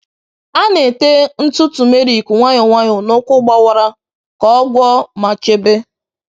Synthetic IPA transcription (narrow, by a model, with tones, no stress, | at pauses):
a˦ne˨te˦n̩˦tʊ˦tu˨me˦ɾi˨kʷu˨ŋʷa˦ɲɪ˨ŋʷa˦ɲʊ˨nʊ˦kʷʊ˦ɡ͡ba˦wa˨ɾa˦ | kɔ˦ɡʷɔ˦ma˨t͡ʃe˦be˦